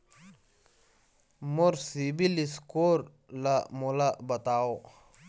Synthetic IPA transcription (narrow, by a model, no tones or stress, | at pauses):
moɾsibiliskoːɾ | lamolabɐt̪aːo